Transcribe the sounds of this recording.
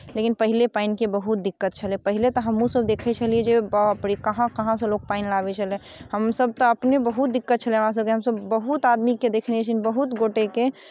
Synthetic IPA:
lekinpəɦilepainkebəɦut̪̚d̪ikːət̪̚t͡ʃʰəlɛpəɦilet̪ɔɦəmːũsəbd̪ekʰɛt͡ʃʰəlied͡ʒebəpɽikəɦãkəɦãsẽlok̚painlabɛt͡ʃʰəlɛ | ɦəmsəb̚t̪ɔəpnebəɦut̪̚d̪ikːət̪̚t͡ʃʰəlɛ̃ɦɾãs̬əb̚keɦəmsəbːəɦut̪ad̪miked̪ekʰnet͡ʃʰinibəɦut̪ɡoʈeke

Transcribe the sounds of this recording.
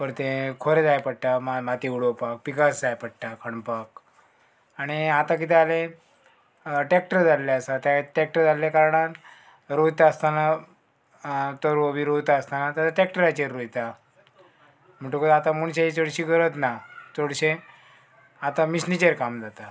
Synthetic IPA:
pəɾt̪ẽkʰoɾed͡zajpəɽ̚ʈamamat̪iuɽopak̚pikasd͡zajpəɽʈakʰəɳpak̚ | aɽ̃iat̪ãk̬it̪ɛale | ʈek̚ʈəɾd͡zalleəsat̪jaʈek̚ʈəɾd͡zaljakaɾɳ̃at̪ | ɾoit̪aəst̪ana | t̪əɾəbʱiɾot̪aəst̪anat̪jat̪aʈek̚ʈəɾajt͡ɕeɾːot̪a | m̤əʈukəat̪amuɳɕait͡soɽɕiɡəɾət̪nat͡soɽɕẽ | at̪amisnit͡ɕeɾkamd͡zat̪a

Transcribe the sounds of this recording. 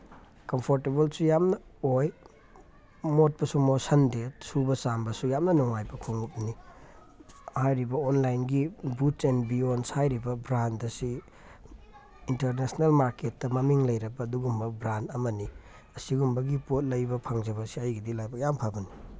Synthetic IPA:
kɐmpʰoɾtebɐlsujamnɐoj | mot̚pɐsumosɐndesubɐsambɐsujamnɐnuŋajbɐkʰoŋup̚ni | hajɾibɐonlajnɡibutenbionshajɾibɐbɾantdɐsi | inteɾnesnelmaɾketːɐmɐmiŋlɐjɾɐbɐːduɡumbɐbɾantɐmɐni | ɐsiɡumbɐɡipot̚lɐjbɐpʰaŋzɐbɐsiɐjɡidilajbɐjampʰabɐni

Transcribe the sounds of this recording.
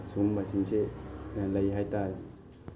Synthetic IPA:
sumbasinselajɦajtaɾ

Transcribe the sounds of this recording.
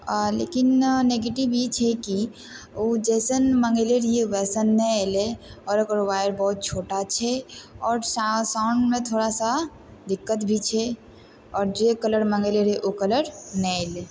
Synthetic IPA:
lḛkinneɡeːʈibet͡ʃʰɛki | od͡ʒɛːsənmə̃ŋɡeleɾieʋɛːsənːɛeleɔːɾəkəɾoʋaːjəɾbɔɦʊt̪̚t͡ʃʰoːʈat͡ʃʰɛɔːɾsasaʊɳɖmẽt̪ʰoːɾasa | d̪ɪkːət̪bʱit͡ʃʰɛ | ɔːɾd͡ʒekələɾmə̃ŋɡeleɾeʔokələɾnɛele

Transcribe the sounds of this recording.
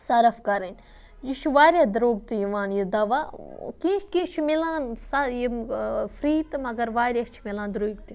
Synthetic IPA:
sɐɾɐfkɐɾɐnʲ | jit͡ʃʰiʋaːɾʲjaːd̪ɾoːɡ̚t̪ijiʋaːnjid̪ɐʋaːkĩkĩːt͡ʃʰimilãːnsajifʰɾiːt̪mɐɡɐɾʋaːɾʲjat͡ʃʰimilãːnd̪ɾoːiɡt̪i

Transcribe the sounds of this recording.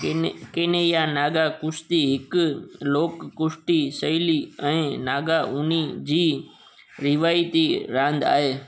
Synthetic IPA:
kɪnejanaːɠakʊst̪iɦɪkloːkːʊʃʈisɐiliɛ̃ːnaːɡaʔʊnid͡ʑiː | ɾɪʋaːit̪iɾãːnd̪a̰ːɦeː

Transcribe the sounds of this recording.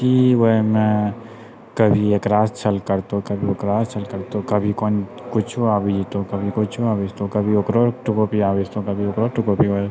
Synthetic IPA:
kiʋoemẽ | kəbʱieːkɾaːst͡ʃʰəlkəɾt̪okəbʱioːkɾaːst͡ʃʰəlkəɾt̪okəbʱikon | kʊt͡ʃʰuabid͡ʒt̪okəbʱikʊt͡ʃʰuaːʋest̪okəbʱiokɾoʈukopiaːʋed͡ʒt̪okəbʱiokɾoːʈukopioe

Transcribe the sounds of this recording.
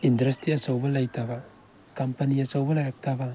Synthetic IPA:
indɾɐstiɐsawbɐlajtʰabɐ | kampɐniɐsawbɐlaɾak̚tʰaba

